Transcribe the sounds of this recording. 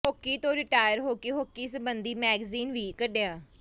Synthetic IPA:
ɦoːkːiːt̪õːɾɪʈaːjəɾɦoːkeːɦoːkːiːsəbənd̪iːmɛːɡziːnʋiːkəɖeaː

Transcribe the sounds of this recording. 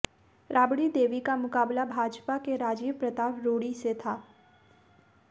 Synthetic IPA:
ɾʔaːbɽid̪eːʋikamʊkaːblabʱaːd͡ʒpakeɾaːd͡ʒiːʋpɾət̪aːʋɾoːɽiset̪ʰaː

